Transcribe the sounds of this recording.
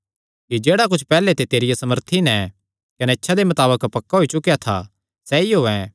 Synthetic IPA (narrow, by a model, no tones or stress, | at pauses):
kid͡ʒeːɽak̬ʊt͡ʃʰpɛːlet̪et̪eːɾɪjasɐməɾt̪ʰinɛ | kɐneɪtːʃʰad̪emɐt̪aːbəkpɐkːaɦoit͡ʃʊkjat̪ʰa̰ | sɛiɦoːɛ̃